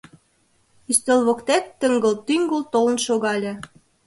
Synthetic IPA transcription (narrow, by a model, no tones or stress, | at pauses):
yst̪elβokt̪æk̚t̪ə̆ŋɡə̆lt̪yŋɡəlt̪olə̆nʃoɣɑlʲĕ